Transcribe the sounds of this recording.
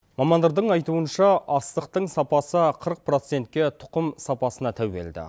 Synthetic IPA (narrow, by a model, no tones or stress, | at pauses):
mɑmɑnd̪ɑɾd̪əɴɑjt̪uənʃɑʔɑst̪əq̚t̪əɴsɑpɑsəqʰəɾəq̚pro̞t̪se̞nt̪̚kʲe̞t̪ʰʊ̥qəmsɑpɑsənɑt̪ʰæwbe̞̰ld̪ɪ̰